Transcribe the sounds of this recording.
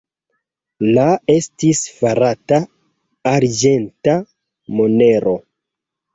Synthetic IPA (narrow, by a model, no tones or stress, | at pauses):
lae̞stisfaɾataː | ɾd͡ʒe̞nta | mo̞ne̞ɾo̞